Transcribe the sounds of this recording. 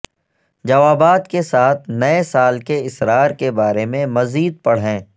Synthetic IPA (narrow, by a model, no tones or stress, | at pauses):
d͡ʒɐʋaːbaːt̪kesaːt̪ʰnɐesaːlkeɪsɾaːɾkebaːɾemẽmɐziːd̪̚pɐɽ̤ɦɛ̃ː